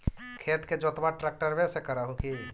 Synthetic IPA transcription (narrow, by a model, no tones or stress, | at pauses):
kʰeːt̪ked͡ʒoːt̪maʈɾɛːk̚ʈəɾʋɛ̃ːsekəɾaːɦũki